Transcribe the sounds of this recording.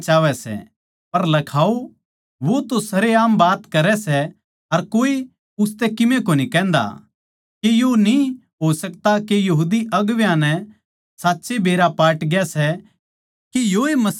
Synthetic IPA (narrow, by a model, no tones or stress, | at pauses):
t͡ʃaːʋɛsɛ̰ | pɐɾlɐkʰaːo | ʋot̪osɐɾeaːmbaːt̪kɐɾɛsɛ | ɐɾkoːi | ʊst̪ɛkɪmẽkoːnikɛ̃ːnd̪a̰ | kejoni | ɦoːsɐkt̪akejɐɦuːd̪iʔɐɡʋjãnɛ | saːtːʃebeːɾapaːʈɡjasɛ | kejoemɐs